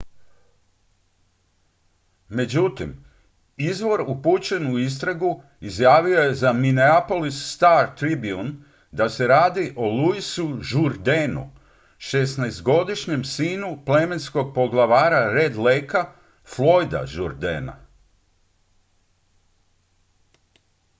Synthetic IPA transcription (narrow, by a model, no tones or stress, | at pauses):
me̞d͡ʑut̪im | izʋo̞ɾuput͡ɕe̞nuis̬t̪ɾaɡu | izjaːʋio̞je̞zamineapo̞lisːt̪aɾt̪ɾibiun | d̪ase̞ɾaːd̪iʔo̞luisuʒuɾd̪enṵ | ʃe̞snajzt̪ɡo̞d̪iʃɲe̞msiːnuple̞me̞nsko̞ɡ̚po̞ɡlˠaʋaːɾaɾed̪lejka | flo̞jd̪a̰ʒuɾd̪ḛːna̰